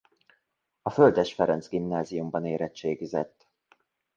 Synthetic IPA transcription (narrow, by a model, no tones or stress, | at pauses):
ɒføld̪ɛʃfɛɾɛnzɡimnaːzijumbɒneːɾɛt͡ʃːeːɡizɛ̰t̪ː